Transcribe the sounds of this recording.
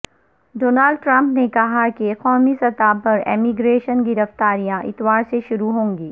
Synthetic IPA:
ɖoːnaːlɖ̚ʈɾɐ̃mpnekɐɦakeqɔːmisɐt̪aːpɐɾḛːmiɡɾeːʃənɡɪɾɐft̪aːɾijãʔɪt̪waːɾseʃʊɾuɦõːŋɡiː

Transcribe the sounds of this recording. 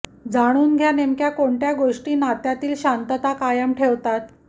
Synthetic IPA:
d͡zaɽ̃uːnɡʱjanemkjakoɳʈjaɡoʂʈiːnat̪jat̪iːlɕant̪ət̪akajəmʈʰeʋt̪at̪

